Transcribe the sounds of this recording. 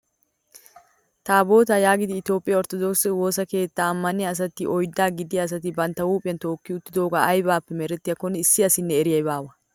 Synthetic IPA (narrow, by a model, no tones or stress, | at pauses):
t̪aːbo̞ːt̪ajaːɡɪd̪ɪːt̪jo̞ːpʼːɪjɐɔɾt̪ɔd̪oksɛwo̞ːsɐke̞ːt̪ːaːmːɐnɪjɐːs̬ɐt̪ɪʔɔjd̪ːaːɡɪd̪ɪjɐːs̬ɐt̪ɪbɐnt̪ːɐwuːpʼɪjɐnt̪o̞ːkːɪʊt̪ːɪd̪o̞ːɡaːʔɐjbaːpːɛmɛɾɛt̪ːɪjɐkɔnɪsːɪɐsɪnːɛɛɾɪjɐjbaːwɐ